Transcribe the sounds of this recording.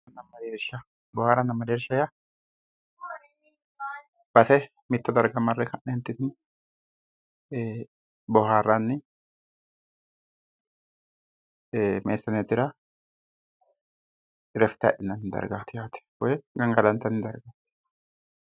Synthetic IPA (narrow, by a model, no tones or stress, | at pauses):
nɐmːɐd̪eːɾʃɐ | bɔhaːɾɐnːɐmːɐd̪eɾʃɐjɐ | b̥ɐt̪ɛ | mɪt̪ːɔd̪ɐɾɡɐmɐrːɛkɐʔneːnt̪ːɪt̪n | bɔhaːrːanːɪ | meːsːɐnet̪ɪɾɐ | ɪɾɛft̪ɐ̰ʔɪnːɐnːɪd̪ɐ̰ɾɡat̪ɪjaːt̪ɛ̥wɔjɛɡɐŋɡɐlɐnt̪ɐnːɪd̪ɐɾɡaːt̪ɛ̥